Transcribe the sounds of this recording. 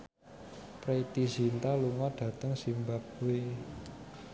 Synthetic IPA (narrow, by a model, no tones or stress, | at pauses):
pɾeit̪izint̪aluŋɔɖ̥ä̤t̪əŋsimbap̚we